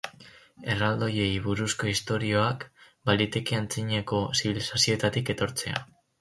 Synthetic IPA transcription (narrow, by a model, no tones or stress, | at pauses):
e̞rald̪o̞je̞jβuɾusko̞ist̪o̞ɾio̞ak | balit̪e̞ke̞ant͡siɲeko̞siβ̞ilisasio̞e̞t̪at̪ike̞t̪o̞ɾt͡se̞a̰